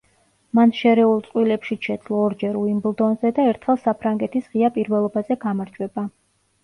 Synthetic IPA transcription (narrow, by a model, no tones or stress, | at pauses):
manʃɛɾɛulˠt̪sʼqʼwilɛpʃit͡ʃʰɛd̪zlˠɔːɾd͡ʒɛɾuimblˠd̪ɔnzɛd̪aɛɾt̪ʰχɛlˠsapʰɾaŋɡɛt̪ʰisʁiapʼiɾvɛlˠɔbazɛɡamaɾd͡ʒʰwɛba